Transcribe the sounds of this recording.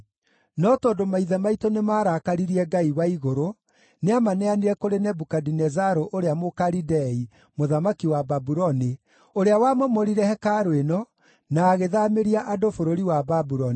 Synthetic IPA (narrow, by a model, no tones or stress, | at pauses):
nɔtɔːndomaiðɛmaitonemaːɾakaɾiɾiɛɡaiwaiɣoɾo | neamanɛaniɾɛkoɾenɛbukadinɛzaɾoʔoɾeamokaɾidɛi | moðamakiwababuɾɔni | oɾeawamɔmɔɾiɾɛhɛkaɾoenɔ | naːɣeðameɾiaʔadofoɾoɾiwababuɾɔni